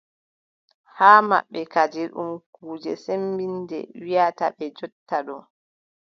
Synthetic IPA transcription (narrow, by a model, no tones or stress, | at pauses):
haːma̰ɓːɛkad͡ʒiɗṵmkuːd͡ʒɛsembindɛ̰wijataɓɛd͡ʒɔtːaɗɔ